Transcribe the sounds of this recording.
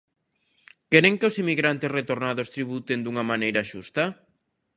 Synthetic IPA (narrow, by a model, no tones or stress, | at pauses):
kɛɾeŋkeosimiɣɾant̪esret̪oɾnaðost̪ɾiβut̪end̪uŋɐmanejɾɐʃust̪a